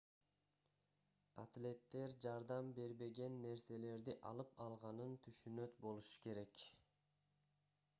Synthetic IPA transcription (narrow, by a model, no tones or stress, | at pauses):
a̰t̪lʲe̞t̪ːe̞ɾd͡ʒɑɾd̪ɑmbe̞ɾbe̞ɡe̞nːe̞ɾse̞le̞ɾd̪iʔɑlˠɯpɑlˠʁɑnɯnt̪ʰyʃynø̞t̪bo̞lˠuʃu̥ke̞ɾe̞k